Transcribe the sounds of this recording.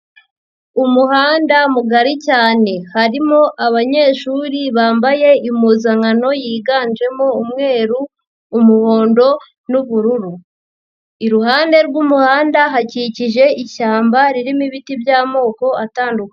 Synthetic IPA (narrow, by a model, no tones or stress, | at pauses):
umuhaːndamuɡaɾicaːne̞haɾimo̞ʔaβaɲe̞ːʃuːɾiβaːmbaje̞imuːzaŋano̞jiːɡaːnd͡ʒe̞moumŋe̞ːɾuː | muho̞ːndo̞ | nuβuɾuɾu | iɾuhaːnde̞ɾɡumuhaːndaɦaciciʒe̞ʔiʃaːmbaɾiɾimiβitibjaːmo̞ːko̞ataːnduke